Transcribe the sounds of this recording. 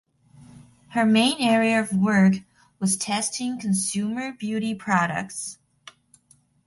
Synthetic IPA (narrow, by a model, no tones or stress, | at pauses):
hə˞mẽɪ̃nɛɹiɨʌvwɜ˞k | wʌz̥tʰɛstɪ̃ŋkʰɨ̃n̩sʉmə˞bjʉɾipʰɹ̥ɑɾə̰k̚ts